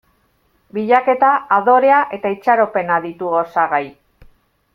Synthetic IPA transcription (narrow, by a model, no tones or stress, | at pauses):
biʎake̞t̪aaðo̞ɾe̞aʔe̞t̪ait͡ʃaɾo̞pe̞naðit̪uɣosaɣaj